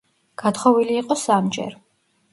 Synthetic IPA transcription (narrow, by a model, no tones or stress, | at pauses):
ɡ̥at̪χɔviliːqʼɔsamd͡ʒɛ̰ɾ